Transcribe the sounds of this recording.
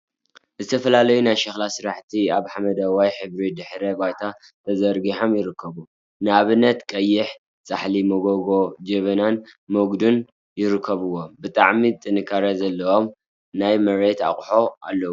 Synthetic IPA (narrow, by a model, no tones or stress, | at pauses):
zɨt̪ʰɐfɐlalɐjunajʃɐxlasɨɾaħt̪ʰiaβħamɐd̪ɐwajħɨβɾid̪ɨħɾebajt̪ʰa | t̪ʰɐzɐɾɡiħo̞mjɪɾɨkʰːɐβu | nɨaβɨnːɐt̪kʼɐjːɪħ | sʼaħlimoɡoɡo̞d͡ʒeβɐnanmoɡd̪un | jɪɾɨkʰːɐβɨwːo̞bɨt̪ʼaʕmit̪ʼɨnɨkʰːaɾazɐlːɐo̞m | najmɐɾet̪a̰χʼħo̞ʔa̰lːɐw